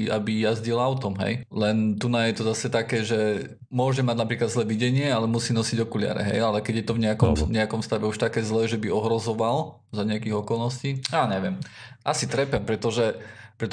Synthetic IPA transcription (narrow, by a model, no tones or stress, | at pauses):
abijazɟilaʊt̪ɔmɦɛ̰jlɛnt̪unajɛt̪ɔzasɛt̪akɛːʒɛ | mʊɔʒɛmaɟnapɾiːklad̪zlɛːʋiɟɛɲɪɛalɛmusiːnɔsiɟɔkulɪa̰ɾɛ̰ɦɛ̰jalɛkɛɟjɛt̪ɔvɲɛakɔmɲɛakɔmfst̪aʋɛuʃt̪akɛːzlɛːʒɛbiɔɦɾɔzɔʋal | zaɲɛakiɣɔkɔlnɔsciːaːɲɛʋɪɛmʔasit̪ɾɛpɛmpɾɛt̪ɔʒɛpɾɛt̪